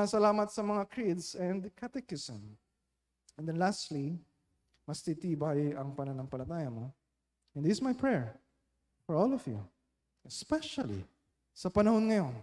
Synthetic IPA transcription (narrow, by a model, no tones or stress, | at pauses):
ɐsɐlaːmɐt̪sɐmɐŋakɹid̪sɛ̃nd̪kʰat̪ɛkɪsɛ̃m | ɛnd̪ɛnlast̪li | mɐst̪it̪iːbajɐŋpɐnɐnɐŋpɐlɐt̪aːjɐmo̞ | ɛ̃nɪsmajpʰɹɛɹ | fɔɹɔlɔvjṵ | ɛspɛʃɐlḭ | sɐpɐnɐho̞nŋɐjo̞n